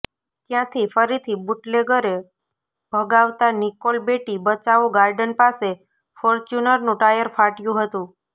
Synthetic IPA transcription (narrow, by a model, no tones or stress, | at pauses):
t̪jãt̪ʰifəɾit̪ʰibuʈleɡəɾe | bʱəɡaʋt̪anikolbeʈibət͡ʃaʋõɡaɾɖənpase | foɾt͡ʃjunəɾnũʈajəɾfaʈjũɦət̪ũ